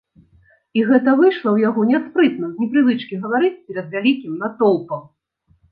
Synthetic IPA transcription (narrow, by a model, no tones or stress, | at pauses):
iɣɛt̪ɐvɨʂlˠɐwjaɣɔnʲaspɾɨt̪nɐzʲnʲɛpɾɨvɨt͡ʂkʲiɣɐvaɾɨt͡sʲpʲɛɾɐd̪vʲalʲikʲimnat̪ɔlˠpɐm